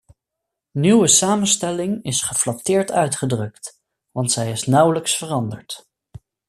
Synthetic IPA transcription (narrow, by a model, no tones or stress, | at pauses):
nywəsaːmənstɛlɪŋɪsχəflɑtɪːɹtœɥtχədrɵkt | ʋɑntsɛjɪsnʌwləksfərɑndəɹt